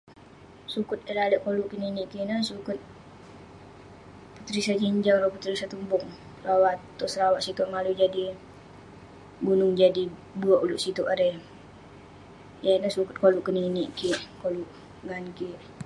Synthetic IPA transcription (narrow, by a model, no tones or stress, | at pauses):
sukʊt̪̚elaləʔkoluʔkəniniʔkinəsukʊt̪̚ | put̪ɾisad͡ʒiɲd͡ʒaŋɾoput̪ɾisat̪umbʊŋ | lawat̪ːusəɾawaʔsit̪uʔŋalud͡ʒadi | bunʊŋd͡ʒadibuɔʔuluʔsit̪uʔaɾe | jainəhsukʊt̪̚koluʔkəniniʔkiʔkoluʔ | ɡankiʔ